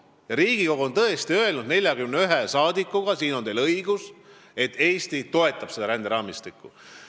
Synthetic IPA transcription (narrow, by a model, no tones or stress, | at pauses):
jɑɾiːɡ̥iko̞ɡ̥uont̪ɤ̞est̪iø̞e̞lnud̪ne̞lʲjɑkymneyɦesɑːd̪ikːˑuɡ̥ɑsiːno̞nelɤijɡus | e̞t̪ːˑe̞ːst̪it̪o̞e̞t̪ːˑɑb̥se̞d̪ɑɾænd̪eɾɑːmist̪ikːˑu